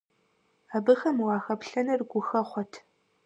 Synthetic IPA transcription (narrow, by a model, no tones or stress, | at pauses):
aːbɨxɐmwɑːxɐpɬɐnɐrɡʷʊxɐχʷɔtʰ